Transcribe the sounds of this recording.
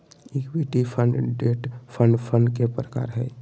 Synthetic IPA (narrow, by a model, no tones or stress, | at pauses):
ikʋiʈipʰənɖɖeːʈpʰənɖpʰənkepɾəka̰ːɾɦɛː